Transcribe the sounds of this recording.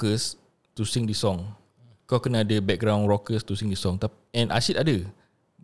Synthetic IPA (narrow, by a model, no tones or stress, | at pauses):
kəs | t̪usĩŋdisɔ̃ŋ | kakənaadəbɛk̚ɡɾãw̃nɹɔkəst̪usĩŋdisɔ̃ŋt̪ap | ɛ̃nʔa̰sit̪̚adə